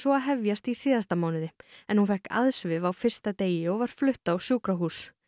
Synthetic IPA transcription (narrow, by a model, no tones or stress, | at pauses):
svɔaðɦɛvjast̪isɪːðast̪amaːwnɪðɪɛnhunfɛhka̰ðsvɪvawfɪr̥st̪at̪eːjɪɔɣvaɾ̥flʏht̪aːwsjuːkɾaɦuːs